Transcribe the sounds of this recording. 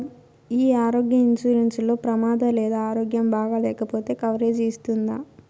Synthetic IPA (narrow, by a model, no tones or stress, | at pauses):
iːaːɾoːɡjɐiɲt͡ʃuːɾenslo̞ːpɾɐmaːd̪ɐlɛːd̪aaːɾo̞ːɡjɐmbaːɡɐlɛːkɐpo̞ːt̪e̞ːkɐʋɾeːd͡ʒist̪und̪aː